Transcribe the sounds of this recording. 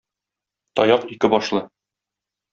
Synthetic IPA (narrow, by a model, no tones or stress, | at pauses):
t̪ɒjɑqikɘbɒʃlˠɤ